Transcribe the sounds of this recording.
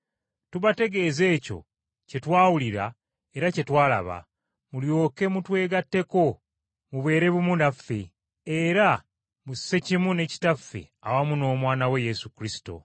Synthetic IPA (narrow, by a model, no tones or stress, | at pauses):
tuβate̞ɡe̞ze̞ːco̞̰ | ce̞twaːwuliɾa | e̞ɾace̞twaːla̰βa̰ | muljo̞ːke̞mutwe̞ːɡatːe̞ko̞ | muβwe̞ːɾe̞βumunafːe̞ | eɾa | muse̞cimwune̞ci̥tafːe̞̰ | awamuno̞ːmwaːnawe̞jesukɾisi̥to̞̰